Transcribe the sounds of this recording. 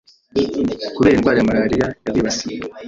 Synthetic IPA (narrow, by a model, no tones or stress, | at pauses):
kuβe̞ːɾinɡwaːɾijamaɾaːɾijajaβiːβasiie